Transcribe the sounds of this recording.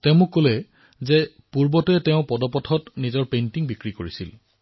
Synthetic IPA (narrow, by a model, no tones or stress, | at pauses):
teʊ̃mʊkːolɛ | zɛ | puɹbɔtɔɛtɛʊ̃pɔdɔpɔtʰɔtnizɔɹpejntiŋbikɹikoɹisil